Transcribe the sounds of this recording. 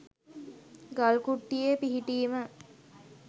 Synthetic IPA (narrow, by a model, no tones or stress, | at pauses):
ɡalkuʈːijepiɦiʈiːmə